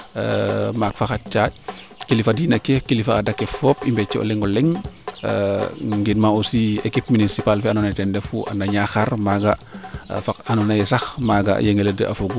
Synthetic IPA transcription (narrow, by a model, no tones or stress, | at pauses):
makfaxat̚t͡ʃa | kilifadinɐkefkilifaːdɐkːɛfɔːpimbɛt͡ʃːɛʔɔ̰lɛŋɔlɛŋ̰ | ŋɡidmaɔsiekip̚minisipalfɛanɔnɐtɛndɛfuʔa̰ndaɲaxarmaɡɐfakanɔnɐjɛsɐxmaːɡɐ̰jeŋelədə̰ʔɐ̰foɡu